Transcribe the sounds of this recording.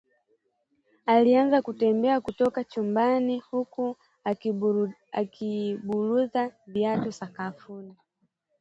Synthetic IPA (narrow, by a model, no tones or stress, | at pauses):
alianzakutɛmbɛakutɔkat͡ʃumbanihuku | a̰kʰiɓuluðaviatɔsakafuna